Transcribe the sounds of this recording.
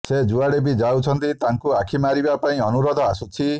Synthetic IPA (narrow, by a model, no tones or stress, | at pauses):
sed͡ʒuaɽebid͡ʒawt͡ʃʰɔnt̪it̪aŋkuakʰimaɾibapaĩɔnuɾɔd̪ʱɔasut͡ʃʰi